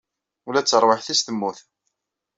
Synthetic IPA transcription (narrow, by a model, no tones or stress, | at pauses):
ʊlæt͡sːəɾˤwəħθist̪əmːuθ